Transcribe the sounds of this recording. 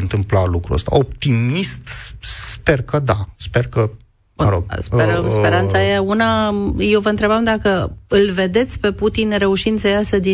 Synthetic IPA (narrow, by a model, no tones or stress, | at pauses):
ɨnt̪ɨmplalukɾṵə̰st̪a̰op̚t̪imist̪spe̞rkəd̪aspe̞rkə | ɾo̰ɡspeɾəmspe̞ɾant̪saeaunajewvəɨnt̪ɾe̞bamd̪akəɨlve̞d̪e̞t̪sʲpe̞put̪inɾe̞uʃind̪səjasəd̪i